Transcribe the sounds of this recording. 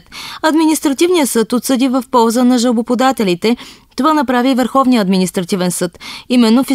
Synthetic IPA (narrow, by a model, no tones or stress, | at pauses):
t̪ɐd̪minist̪ɾɐt̪ivnijəsɤt̪ot̪səd̪ivəfpɔlˠzənɐʒəlˠbopod̪at̪ɛlit̪ɛt̪ovanɐpɾavivəɾxɔvniəɐːd̪minist̪ɾɐt̪ivɛnsɤt̪imɛnːofi